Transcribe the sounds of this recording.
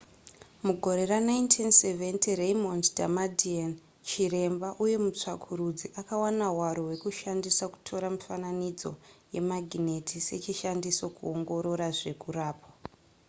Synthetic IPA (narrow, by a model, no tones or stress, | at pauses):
muɡʱo̞ɾe̞ranaintʰinseventirejmontdʱamadian | t͡ʃire̞mbaʔuje̞mut͡ʂakʰuɾud͡ziʔakawanawaɾowe̞kuʃandisaku̥tʰo̞ɾamifananid͡zo̞̰je̞̰maɡʱinetʰise̞̰t͡ʃiʃandisokuoŋɡo̞ɾo̞ɾaʐe̞kuɾaːpa